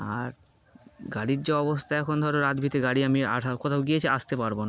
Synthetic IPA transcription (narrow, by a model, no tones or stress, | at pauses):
a̰ɾ | ɡaɽiɾd͡ʑeɔbost̪ʰaɛkʰond̪ʱɔɾenad̪bʱit̪eɡaɽiamia̰ʃaɾkot̪ʰawɡijet͡ɕʰeast̪epaɾbona